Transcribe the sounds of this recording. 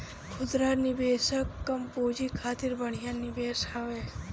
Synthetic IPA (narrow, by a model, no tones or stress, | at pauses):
kʰʊd̪ɾaɾnibeːʃəkːəmpoːd͡ʒikʰaːt̪iɾbəɳ̤ijanibeːʃaʋe